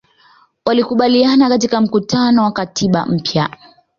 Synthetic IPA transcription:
walikuɓalianakatikam̩kutanɔwakatiɓa̰m̩pja

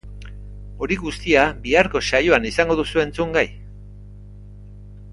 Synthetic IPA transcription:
o̞ɾiɣust̪iabiaɾko̞sajoanisaŋɡo̞ðusue̞nt͡suŋɡaj

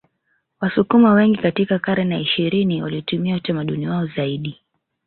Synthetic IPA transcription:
wasukumawɛŋɡikatikakaɾɛnaiʃiɾiniwaliɔtumiautamaɗuniwaɔzaiɗi

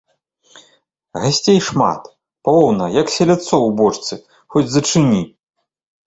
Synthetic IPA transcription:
ɣasʲt͡sʲejʂma̰t̪ | pɔwnɐjɐksʲɛlʲat̪sɔwbɔt͡ʂt̪sɨ | xɔd͡zʲzɐt͡ʂɨnʲi

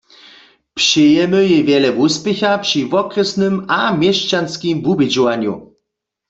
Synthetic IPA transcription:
pʂɪjɛmɨjɛvʲjɛlɛvuspjɛxapʂivɔkrɛsnɘmamjɛʃt͡ʃanskimvubjɛd͡ʑɔwaɲjṵ

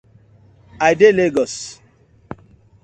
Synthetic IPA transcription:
ajdeleɡɔs

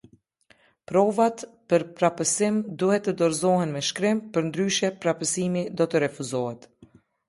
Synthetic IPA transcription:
pɾɔvat̪pəɾpɾapəsimd̪uhɛt̪ːəd̪ɔɾzɔhɛnmɛʃkɾɪmpəɾnd̪ɾyʃjɛpɾapəsimid̪ɔt̪əɾɛfuzɔhɛt̪

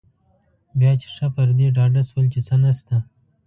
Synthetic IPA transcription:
bjɑːt͡ʃe̥ʂapaɾd̪eɖɑɖaswəlt͡ʃesanast̪a

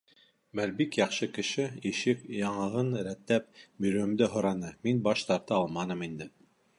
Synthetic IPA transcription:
mæɾbikjɑχʃɤkɘ̆ʃɘiʃɘkjɑɴɑʁɤnɾæt̪ːæp̚bɵ̆ɾɵ̆md̪ɘɦŏɾɑnɤminbɑʃt̪ɑɾt̪ɤɑlˠmɑnɤmind̪ɘ

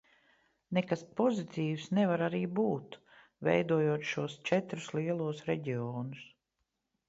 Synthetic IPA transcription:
nekaspɔzit̪iːwsnɛvaɾaɾiːbuːt̪ | vɛ̰jd̪uɔjuɔt̪ʃuɔst͡ʃɛt̪ɾusliɛlˠuɔsɾɛɟiɔːnus

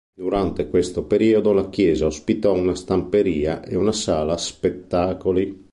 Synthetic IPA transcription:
d̪uɾant̪ekwest̪opeɾiːod̪olak̟jɛːzaospit̪ɔunast̪ampeɾiːaʔḛunasaːlaspet̪ːaːkoli

